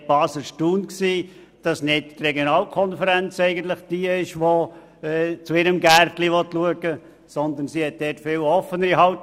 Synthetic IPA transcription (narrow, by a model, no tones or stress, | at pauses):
b̥ɑːsəʃtuːnksiː | d̥ɑsnɪdtrɛɡjonɑːlkʰɔnfəɾænt͡sɛɪɡən̩t̪ləχd̥iːəɪʃʋo | ɛt͡suɪɾəmɡærtliʋɔt̪luəɡə | sɔnd̪ənsihɛt̚d̥̪ɛːtfɪːwɔfənəɾiɦɑʊt